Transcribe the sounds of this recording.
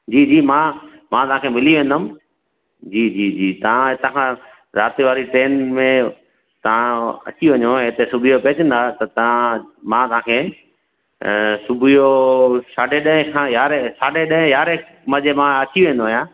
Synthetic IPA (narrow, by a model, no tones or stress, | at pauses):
d͡ʑiːd͡ʑiːmãmãt̪ɐʋãkʰeːmɪliʋẽːn̆d̪əm | d͡ʑiːd͡ʑiːd͡ʑiːt̪ɐʋ̤ãɦɪt̪ãkʰãː | ɾaːt̪iʋaːɾiʈɾeːnmẽ | t̪ɐʋãɐ̰t͡ɕiʋɐɲoɦɪt̪esʊbʱɪjopeːt͡ɕə̃nd̪aːt̪ɐt̪ɐãmãt̪ɐʋãːkʰeː | sʊbʱijosaːɖʱeɗɐɦɪ̃kʰãjaːɾesaːɖeɗɐɦɪ̃jaːɾe | mɐd͡ʑemãɐt͡ɕiʋẽːnd̪oɦjãː